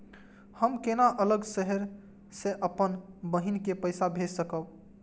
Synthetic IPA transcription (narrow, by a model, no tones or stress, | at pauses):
həmkenaʔələɡsəɦəɾ | seʔəpənbəɦinkepəɪsabʱesəkəb